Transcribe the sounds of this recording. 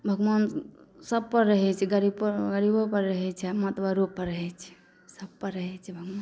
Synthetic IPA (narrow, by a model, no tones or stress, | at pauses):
bʱəɡmansəbpəɾːəɦɛt͡ʃʰɛɡəɾibpəɡəɾibopəɾːəɦɛt͡ʃʰɛmət̪baɾopəɾːəɦɛt͡ʃʰɛ̥ | səb̚pəɾːəɦɛt͡ʃʰɛbʱəɡʋan